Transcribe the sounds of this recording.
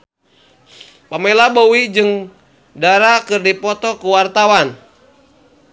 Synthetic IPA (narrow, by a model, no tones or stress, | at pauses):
pamelabowid͡ʒɨŋ | daɾakɨrdipɔt̪ɔkuwart̪awan